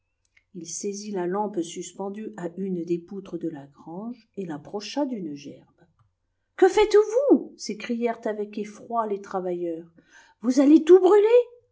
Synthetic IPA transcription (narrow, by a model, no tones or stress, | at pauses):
ilsezilalɑ̃psyspɑ̃d̪yaʔynd̪eput̪χəd̪əlaɡʁɑ̃ʒelapχɔʃad̪ynʒɛʁb | kəfɛt̪vusekχijɛʁt̪avɛkefχwalet̪χavajœːʁ | vuzalet̪ubʁyle